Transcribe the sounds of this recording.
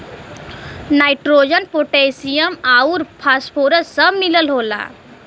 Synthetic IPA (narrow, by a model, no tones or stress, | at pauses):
najʈɾod͡ʒənpoʈesijəmauɾpʰaspʰoɾəsəbmiləlɦola̰